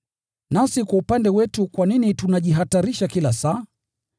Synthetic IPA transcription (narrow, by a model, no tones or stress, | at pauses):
nasikwaupandɛwɛtukwaninitunaʄiɦataɾiʃakilasaː